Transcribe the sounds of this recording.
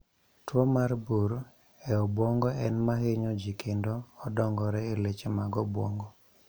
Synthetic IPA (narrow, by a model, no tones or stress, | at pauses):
twomarbuɾ | ɛɔbwɔŋɡɔɛnmaɦeɲɔd͡ʒikʰendoːdɔŋɡɔɾɛelet͡ʃemaɡɔbwɔŋɡɔ